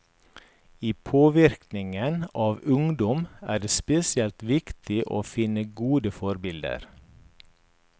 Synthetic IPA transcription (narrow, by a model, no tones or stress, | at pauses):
iːpʰoːʋɪɾknɪŋənɑːʋʉŋd̪ɔmæːɖeːspɛsɪɛlt̪ʋɪkt̪ʰɪʔo̰ːfɪnəɡuːd̪əfɔɾbɪld̪ə̰ɾ